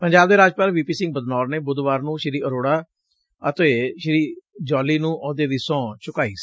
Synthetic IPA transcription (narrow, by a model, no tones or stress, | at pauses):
pəɲd͡ʒaːb̚d̪eːɾaːd͡ʒpaːlʋiːpiːsɪ̃ŋɡ̚bəd̪nɔːɾneːbʊd̪ʋaːɾnũːʃɪɾiːʔəɾoːɽaː | ət̪eːʃɪɾiːd͡ʒɔːliːnũːʔɔːd̪eːd̪iːsɔ̃ːt͡ʃʊkaːiːsi̥